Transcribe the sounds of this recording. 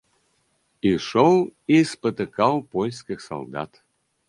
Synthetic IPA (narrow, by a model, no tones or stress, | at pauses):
iʃolˠispət̪ɨkɑlˠpojʲskʲɪxsɐ̰lˠd̪ɑ̰t̪